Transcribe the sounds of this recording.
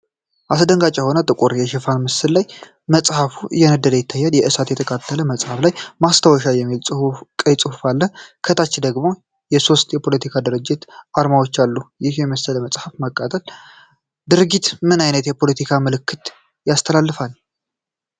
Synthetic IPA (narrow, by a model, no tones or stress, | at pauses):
ʔasd̪əŋɡat͡ʃʼɛho̞nət̪ʼɨkʼuɾjɛʃɪfanmɨsːɨllaj | məsʼhafujɛnəd̪ːəd̪əjɪt̪ʰːajːaljɛʔɨsat̪jɛt̪ʰəkʼʰat̪ʰːələməsʼhaflajmast̪ʰəwɔʃajɛmːilʼkʼəjt͡sʼɨhufalːəkʰət̪ʰat͡ʃːɪd̪əɡmo̞ | jɛso̞st̪ʰjɛpʰo̞lət̪ʰikʰad̪ɨɾɨd͡ʒːɪt̪aɾmawo̞t͡ʃːalːujɪhjɛməsːələməsʼhafməkʼːat̪ʼəl | d̪ɨɾɨɡit̪mɨnajnət̪jɛpʰo̞lət̪ʰikʰaməlɨkːɨt̪ | jast̪ʰəlalːɨfal